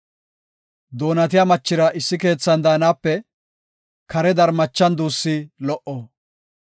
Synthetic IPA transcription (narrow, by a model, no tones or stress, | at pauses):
d̪o̞ːnɐt̪ɪjamɐt͡ʃːɪɾɐʔɪsːɪke̞ːt͡sːɐnd̪aːnaːpːɛ | kɐɾɛd̪ɐɾmɐt͡ʃːɐnd̪uːsːilɔʔɔ